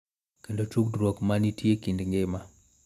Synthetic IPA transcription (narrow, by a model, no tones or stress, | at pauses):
kendot͡ʃuk̚dɾwokmanitʰjekindŋɡema